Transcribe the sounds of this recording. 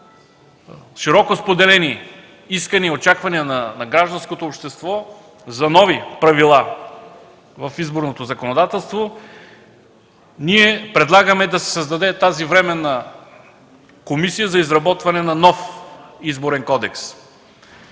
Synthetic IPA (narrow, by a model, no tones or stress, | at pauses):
ʃiɾɔkospod̪ɛlɛni | iskəniot͡ʃakvɐniənɐnɐɡɾaʒd̪ɐnskot̪oːpʃt̪ɛst̪vɔ | zɐnɔvipɾɐvilˠa | vɐfizboɾnot̪ozɐkonod̪at̪ɛlˠst̪vo | niɛpɾɛd̪lˠaɡəmɛd̪ɐsɛ̥səzd̪ɐd̪ɛt̪azivɾɛmɛnɐ | komisijəzɐizɾɐbɔt̪vɐnɛnɐnɔfizboɾɛnkɔd̪ɛks